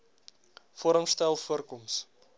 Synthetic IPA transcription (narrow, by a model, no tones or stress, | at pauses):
fɔɾəmstɛlˠfuərkɔms